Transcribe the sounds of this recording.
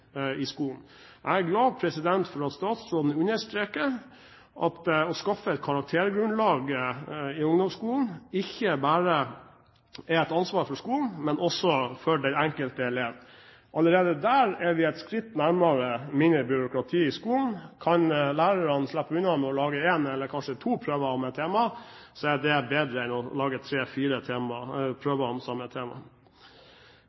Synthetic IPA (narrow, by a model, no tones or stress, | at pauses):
ɪskuːln̩ | ʔæɪæɾɡlɑːpʰɾɛsɪd̪ɛnt̪fɔɾɑt̪st̪ɑːt̪sɾoːd̪nəʉnəʂt̪ɾeːkəɾ | ʔɑ̰t̪ɔskɑfəɛt̪̚kʰɑɾɑk̚t̪ʰeːɾɡɾʉnlɑːɡ | ɪʊŋd̪ɔmskuːln̩ɪçːəbæːɾə | ɛɛt̪ɑnsʋɑːɾfɔʂskuːln̩mɛnʔɔsːɔfœɖæɪɛŋkəlt̪əɛleːʋ | ʔɑləɾeːd̪əd̪æːɾɛɾʋɪɛt̪skɾɪt̪ːnæɾmɑɾəmɪnɪbʏɾʊkɾɑt̪ʰiːɪskuːln̩kʰɑnlæːɾəɾɑnslæpːəʉnɑmɔlɑːɡəeːnɛlːəɾkʰɑnʂət̪ʰuːpʰɾøːʋəɔmɛt̪ʰːeːmɑsɔɛd̪ɛbeːd̪ɾəɛnɔlɑːɡət̪ʰɾeːfiːɾət̪ʰeːmɑpʰɾøːʋəɔmsɑmɛt̪ʰeːmɑ̰